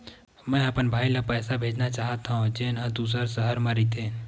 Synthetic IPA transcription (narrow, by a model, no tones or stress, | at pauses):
mɛ̃ːɐpənbʱaːilapɛːsabʱeːd͡ʒnat͡ʃaːɦət̪aɦõd͡ʒeːnɦə̃d̪uːs̬əɾsəɦəɾmaɾit̪ʰe